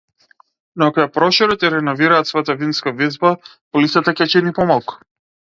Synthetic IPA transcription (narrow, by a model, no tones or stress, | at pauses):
nɔakɔjapɾɔʃɔɾɔt̪jaɾɛnɔviɾaːt̪svɔjat̪avinskavizba | pɔlit̪sat̪akʲɛt͡ʃɛnipɔmalˠku̥